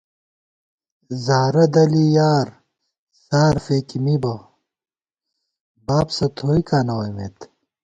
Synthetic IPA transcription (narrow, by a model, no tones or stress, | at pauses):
zaːɾɐd̪ɐlijaːɾ | saːɾfekimibɐ | baːpsɐt̪ʰoːikaːnɐwɐmeːt̪